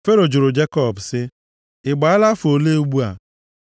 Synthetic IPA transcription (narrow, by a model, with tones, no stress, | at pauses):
fe˦ɾo˨d͡ʒʊ˨ɾʊ˨d͡ʒe˦kɔ˦˨bsɪ˦ | ɪ˨ɡ͡ba˨a˦la˦fo˨le˦u˦ɡ͡bu˦a˨